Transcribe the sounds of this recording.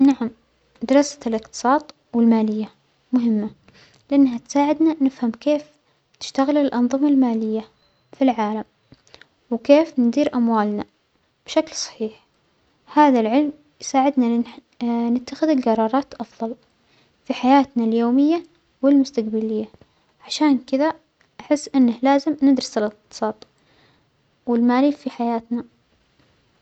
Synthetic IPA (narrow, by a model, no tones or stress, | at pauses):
naʕam | d̪ɑɾˤɑsḁlʔɪqt̪ɨ̥sˤɑːt̪ˤ | wɪlmaːlɪjːa | mʊɦɪmːa | lɪʔɪnːɦat̪saːʕɪd̪nanɪfhamkeːf | t̪ɪ̥ʃt̪aɣɪlɪlʔɑnðˤɨmalmaːlɪjːa | filʕaːlam | wkeːfnd̪iːɾʔamwaːlna | b̥ʃaklsˤɑ̥ħiːħ | haːðalʕɪlm | jsaːʕɪd̪na | nɪt̪ːaxɪðɪlɡɑɾˤɑːɾˤɑːt̪ʔɑfðˤɑl | fiħajaːt̪naljoːmɪjːa | wɪlmʊst̪aqbalɪjːa | ʕaʃaːnkɪða | ʔaħɪsːʔɪnːahlaːzɪmnɪd̪ɾɪsɪlɪq̚t̚t̪ɨ̥sˤɑːt̪ˤ | wɪlmaːlifiħajaːt̪na